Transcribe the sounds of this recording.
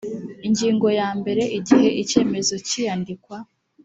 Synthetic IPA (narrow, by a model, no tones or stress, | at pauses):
iɲɟiːŋɡo̞jaːmbe̞ɾe̞ʔiɟiɦe̞ʔice̞ːme̞zo̞cijandikwa